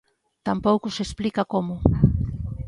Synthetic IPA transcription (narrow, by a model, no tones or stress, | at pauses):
t̪ampowkʊsesplikakomʊ